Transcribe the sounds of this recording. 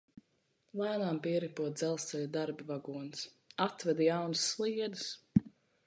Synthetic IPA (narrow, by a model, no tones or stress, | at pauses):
lˠaːnaːmpiɛɾipuɔt̪̚d̪zɛlˠst̪sɛlʲud̪aɾbivaɡuɔns | at̪vɛd̪jawnusːlˠiɛd̪ɨs